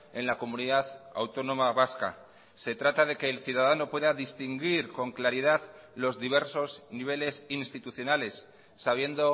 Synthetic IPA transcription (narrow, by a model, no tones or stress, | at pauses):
e̞nlako̞mũniðaða̰wt̪o̞nõ̞maβaska̰ | se̞t̪ɾat̪aðe̞ke̞ːlθjuð̞aðano̞pwe̞ðaðist̪iŋɡiɾko̞ŋklaɾiðaðlo̞zðiβe̞ɾso̞zniβ̞e̞le̞sinst̪it̪uθjo̞nale̞sː | aβ̞je̞nd̪o̞